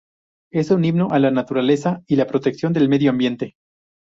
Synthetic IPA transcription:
e̞suniβno̞ʔalanat̪uɾale̞sailapɾo̞t̪e̞ksjond̪e̞lme̞ðjoambje̞nt̪e̞

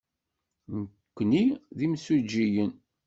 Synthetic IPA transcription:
n | kʷːniðimsud͡ʒːijən

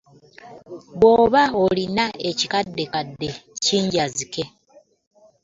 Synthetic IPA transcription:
βo̞ːβaolinae̞cikadːe̞kadːe̞ciːɲɟazike̞

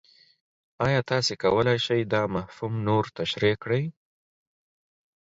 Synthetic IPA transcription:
ɑjɑt̪ɑsekawəlajʃəjd̪ɑmahfumnoɾt̪aʃɾikɽəj

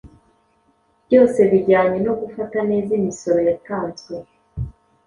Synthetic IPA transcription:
bɟo̞ːse̞βiɟaːɲeno̞ɡufatane̞ːzimiso̞ɾo̞jataːnzɡwe

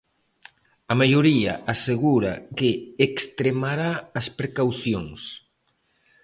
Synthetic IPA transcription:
ɐmajoɾiɐ̰ʔaseɣuɾɐ̰keekst̪ɾemaɾaːspɾekawθjoŋs

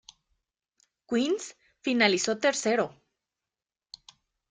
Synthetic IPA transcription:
kwins | finaliso̞t̪e̞ɾse̞ɾo

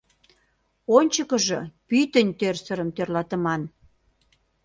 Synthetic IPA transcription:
onʲt͡ɕəkəʒɤpyt̪ənʲt̪ørsəɾəmt̪ørlɑt̪ə̆mɑn

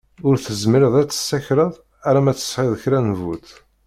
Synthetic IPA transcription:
ʊɾθəzməɾəðˤæt͡sːə̥sːæçɾəðˤ | æɾæmæt͡sːə̥sˤħɪðˤəçɾænvut̪

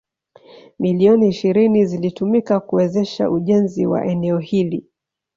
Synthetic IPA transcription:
miliɔniːʃiɾinizilitumikakuwɛzɛʃa̰ʔuʄɛnziwa̰ʔɛnɛɔhili

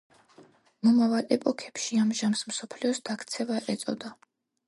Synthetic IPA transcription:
mɔmavalɛpʼɔkʰɛpʃiamʒamsmsɔpʰliɔsd̪̥akʰt̪sʰɛvaʔɛt̪sʼɔd̪a

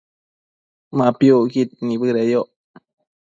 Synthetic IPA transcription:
mapjokit̪̚nibɨɾejoʔ

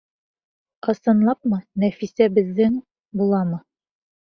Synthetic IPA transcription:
ɤ̆sɤ̆nlˠɑp̚mɤnæfisæbɘ̆ðːɘŋ | bulˠɑmɤ

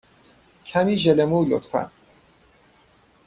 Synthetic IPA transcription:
cʰæmiːʒelemuːlo̰t̪fæ̰n

